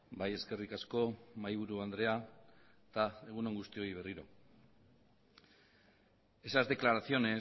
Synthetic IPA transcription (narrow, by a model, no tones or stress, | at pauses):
baje̞ske̞rikasko̞majβ̞uɾuand̪ɾe̞a | t̪ae̞ɣuno̞ŋɡust̪io̞iβ̞e̞riɾo̞̰ | e̞sazd̪e̞klaɾaθio̞ne̞